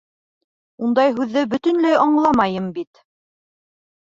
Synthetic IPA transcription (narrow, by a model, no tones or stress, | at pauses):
und̪ɑjɦʉðːɘbɵ̆t̪ɵ̆nlæjʔɑɴlˠɑmɑjɤmbit̪